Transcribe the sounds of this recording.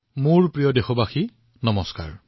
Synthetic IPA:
muɹpɹijɔdexɔbaxi | nɔmɔska̰ɹ

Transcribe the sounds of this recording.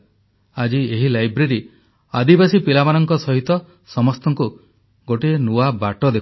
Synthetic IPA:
ad͡ʒieɦilajbɾeɾi | ad̪ibasipilamanɔŋkɔsɔɦit̪ɔ | sɔmɔst̪ɔŋku | ɡoʈenuwabaʈɔd̪e

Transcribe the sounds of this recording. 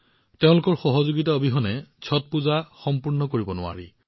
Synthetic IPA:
teʊ̃lʊkɔɹxɔɦɔzoɡitaobʱiɦɔnɛt͡ɕʰɔt̚puzaxɔmpuɹnɔkoɹibɔnʊa̰ɹi

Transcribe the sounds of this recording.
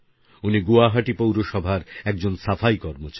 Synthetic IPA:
uniɡuaɦaʈipowɾoʃɔbʱaɾɛk̚d͡ʑonsafʰajkɔɾmot͡ɕ

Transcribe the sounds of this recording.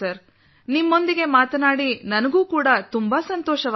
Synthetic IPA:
ɐɾ | nimːo̞nd̪iɡe̞maːt̪naːɽinɐnɐɡuːkuːɽɐt̪umbaːsɐnt̪ɔːʃɐʋ

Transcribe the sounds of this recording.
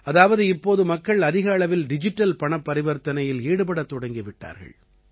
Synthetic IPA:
ɐðaːʋɐðɯɪpːoːðɯmɐkːɐɭɐðɪɣaːɭɐʋɪlɖɪd͡ʒɪʈːɐlpɐɳɐpːɐɾɪʋɐɾt̪ɐnɐjɪleːɽɯpɐɽɐt̪ːɔɽɐŋɡɪʋɪʈːa̰ːɾɣɐ̰ɭ

